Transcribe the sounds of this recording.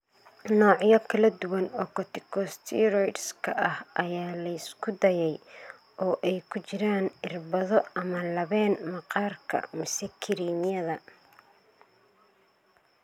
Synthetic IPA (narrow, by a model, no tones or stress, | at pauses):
nɔːʕjɔkʰɐlɐd̪ʊwɐnɔkʰɔt̪ʰɪ̥kʰɔst̪ʰḭɾɔjʈskʰɐʔɐhʔɐjaːlɐɪskʰʊd̪ɐjɛj | ʔɔːʔɛjkʰʊt͡ʃɪɾaːnɪrbɐðɔɐmɐlɐβɛːnmɑqɑːrkʰɐ̰mɪsɛkʰɪɾiːnɪjɐðɐ